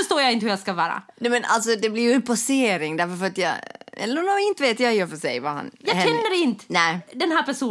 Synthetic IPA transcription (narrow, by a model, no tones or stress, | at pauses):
œʂt̪oːɾjaɪnt̪əhɵjaɡskavɑːɾa̰nɛmɛnʔa̰lt̪sɔd̪ɛblɪɾjɵɛnpʰɔseːɾɪŋd̪æɾfœɾfœɾat̪jɑ̰ːɛ̰lːnuɪnt̪əveːt̪jajœːɾfœʂɛ̰jva̰ha̰njɑːʃɛnːəɾɛɪnt̪ənæd̪ɛnɦæːɾpʰæʂuː